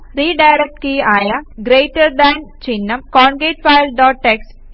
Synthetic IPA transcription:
ɾiːɖajɾek̚ʈkiːaːjɐɡɾeːʈːɐɾd̪æːnt͡ʃinːɐmkɔːɳɡeːʈ̚fajlɖɔːʈːeks

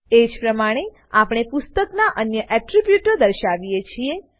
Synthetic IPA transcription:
ed͡ʒpɾəmaɽ̃e | apɽ̃epʊst̪əknaʔənjəʔɛʈɾibjuʈəd̪əɾʃaʋijet͡ʃʰie

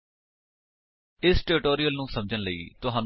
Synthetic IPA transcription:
ɪsʈeːɾɪʈoːɾijəlnũːsəmd͡ʒənləḭːt̪ʊɦãːn

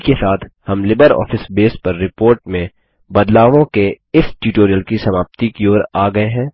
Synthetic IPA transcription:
kesaːt̪ʰhɐmlɪbəɾɔ̰ːfɪsbeːspɐɾːɪpoːɾʈmẽ | bɐd̪laːʋõke | ɪsʈjuːʈoːɾijəlkisɐmaːp̚t̪ikioːɾaːɡɐeɦɛ̃ː

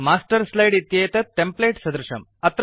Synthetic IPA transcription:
maːsʈɐɾslɐjɖit̪jeːt̪ɐʈːempleːʈsɐd̪ɾɐʃɐ̰mɐt̪ɾ

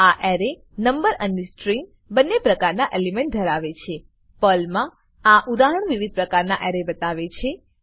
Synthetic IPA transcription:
aʔɛɾe | nəmbəɾənesʈɾĩŋɡ | bənːepɾəkaɾnaʔelemẽɳʈ̚d̪ʱəɾaʋet͡ʃʰe | pəlmã | aʔud̪aɦəɳʋiʋid̪̚pɾəkaɾnaʔɛɾebət̪aʋet͡ʃʰe

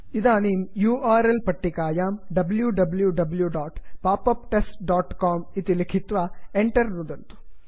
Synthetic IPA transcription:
id̪aːniːmjuːʔaːɾelpɐʈːikaːjaːmɖɐbljuɖɐbljuɖɐbljuɖaːʈpaːpɐpʈesʈɖaːʈkaːmit̪ilikʰit̪ʋaːeɳʈɐɾnud̪ɐnt̪u̥

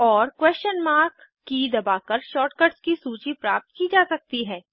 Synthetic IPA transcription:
ɔːɾkwɛːst͡ʃənmaːɾkː | id̪ɐbaːkɐɾʃɔːʈkəɖskisuːt͡ʃipɾaːp̚t̪kid͡ʒaːsɐk̚t̪iɦɛː

